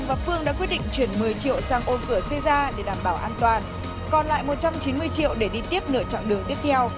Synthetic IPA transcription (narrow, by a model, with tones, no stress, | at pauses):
vaː˨˩fɨ˧əŋɗa̰ː˧˥kwt̚ɗḭ˧˨ŋ̟t͡ɕwi˧˩ənmɨ˨˩əjt͡ɕḭ˧˨əwsaː˧ŋʔo˧nkɨ˧˩əsɛ˧zaː˧ɗe˧˩ɗaː˨˩mɓaː˧˩wʔaː˧nt̪waː˨˩n | kɔ˨˩nla̰ː˧˨jmo˨˩t̚t͡ɕa˧mt͡ɕi˨˦nmɨ˧əjt͡ɕḭ˧˨əwɗe˧˩ɗi˧t̪i˦˥əp̚nɨ̰˧˨ət͡ɕa̰˧˨ŋɗɨ˨˩ət̪i˦˥əp̚t̪ʰɛ˧w